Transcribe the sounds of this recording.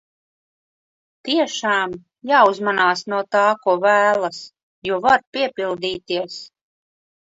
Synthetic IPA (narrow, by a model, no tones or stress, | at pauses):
t̪iɛʃaːm | jaːuzmanaːsnuɔt̪aːkuɔvæːlˠas | juɔvaɾpiɛpʲilˠd̪iːt̪iɛs